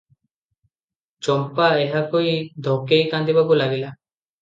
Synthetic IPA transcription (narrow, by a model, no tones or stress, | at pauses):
t͡ʃɔmpaeɦakoid̪ʱokejkãnd̪ibakulaɡila